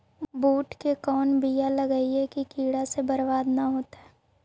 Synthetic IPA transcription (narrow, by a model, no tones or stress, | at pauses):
buːʈkekɔːnbijalɐɡəiɦɛkikiːɽasebɐɾbaːd̪naɦoːt̪aɦɛː